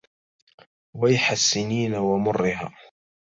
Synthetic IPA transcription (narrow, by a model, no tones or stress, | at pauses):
wajħasːɪniːnawamʊrːɪɦa̰ː